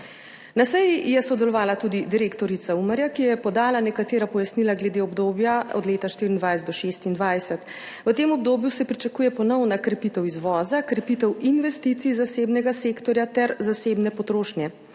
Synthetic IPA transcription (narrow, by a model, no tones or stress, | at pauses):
nasɛjijɛsɔd̪ɛlɔʋaːlat̪ud̪id̪iɾeːkt̪ɔɾit̪saumaɾjakijɛpɔd̪aːlanɛkat̪eːɾapɔjasnilaɡlɛd̪eɔbd̪oːbjaɔ̰d̪leːt̪aʃt̪iɾind̪ʋajsɛd̪ɔʃest̪ind̪ʋajsɛt̪ | ʋət̪eːmɔb̚d̪oːbjusɛpɾit͡ʃakuːjɛpɔnɔwnakɾɛpit̪ɛwizʋɔːzakɾɛpit̪ɛwinʋɛst̪it̪siːzaseːbnɛɡaseːkt̪ɔɾjat̪ɛɾzaseːbnɛpɔt̪ɾoːʃnjɛ